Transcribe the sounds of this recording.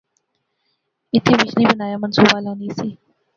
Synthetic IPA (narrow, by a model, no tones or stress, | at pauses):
ɪt̪ʰebɪd͡ʒlibənajamɐnsubalanisi